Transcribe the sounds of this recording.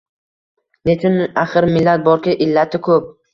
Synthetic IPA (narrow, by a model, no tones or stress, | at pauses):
lekʲɪnaχɨɾmɪlːat̪̚bɒɾkʲaʔɪlːat̪ʰɪkʰɵp̚